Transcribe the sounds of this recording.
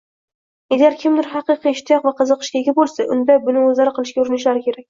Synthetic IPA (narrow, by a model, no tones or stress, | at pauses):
eɡʲaɾkʲʰɪmd̪ɪɾɦɑqɨqijɪʃt̪ʰɪjɒqvaqʰɨzɨqʰɨ̥ʃkʲaeɡʲabolˠsaʔʊnd̪abʊnɪɵzlaɾqʰɨlˠɪʃkʲaʊɾɪnɪʃlaɾɪkʲʰe̞ɾakʲ